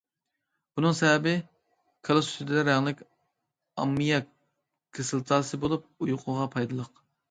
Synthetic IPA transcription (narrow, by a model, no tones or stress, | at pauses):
b̥unɨŋsɛɦɛbɪ | kʰɑlˠost̪ʰɪd̪ɪd̪ɛɾɛŋlˠɪkʲ | ɑ̰mːijɑ | kʰɨsɨlˠt̪ʰɑːsɨbolˠup̚ujuqʰʊʁɑpʰɑjd̪ɨlˠəq